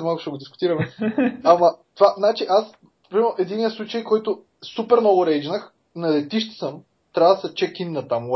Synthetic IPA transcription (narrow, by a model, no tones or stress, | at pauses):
malˠkʊ̥ʃɛɡod̪iskʊ̥t̪iɾɐmɛɐmɐt̪ovaznat͡ʃiʔas | pɾimɛɾnʊʔɛd̪inːijəslˠut͡ʃəjkɔjt̪ʊ | supɛɾnɔɡʊɾɛɪd͡ʒnəx | nɐlɛt̪iʃt̪ə̥səm | t̪ɾʲavəd̪ɐsɛt͡ʃɛkinnɐt̪am